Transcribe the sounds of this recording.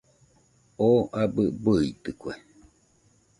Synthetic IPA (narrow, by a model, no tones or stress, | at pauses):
oʔabɨbɨit̪ɨkʷe